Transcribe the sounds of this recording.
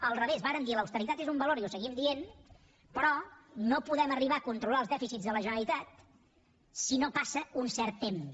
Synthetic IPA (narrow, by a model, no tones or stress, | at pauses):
əlˠrəβ̞ezβaɾənd̪iləwst̪əɾit̪at̪ezumbəloɾiusəɣimd̪ien | pɾɔnopuðɛməriβaəkunt̪ɾulalˠzðɛfisid͡zzðələʒənəlit̪at̪̚ | sinopasəunsɛɾt̪ːem